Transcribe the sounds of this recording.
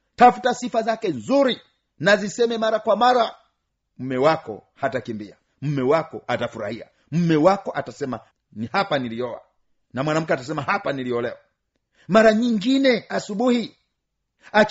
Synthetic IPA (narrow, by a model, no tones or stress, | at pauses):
tafutasifazakɛnzuɾi | nazisɛmɛmaɾakwamaɾa | m̩mɛwakɔ̰hatakimbia̰ | m̩mɛwakɔatafuɾa̰hia̰ | m̩mɛwakɔʔatasɛma | nihapaniliɔa̰ | namwanam̩kɛatasɛmahapaniliɔlɛwa | maɾaɲiŋɡinɛasuɓuhi | at͡ʃ